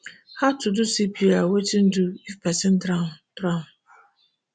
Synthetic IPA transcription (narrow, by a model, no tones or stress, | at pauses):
hatʰʊdʊsipʰiawetin̩dʊifpɛsɛn̩tɾaʊtɾamʊ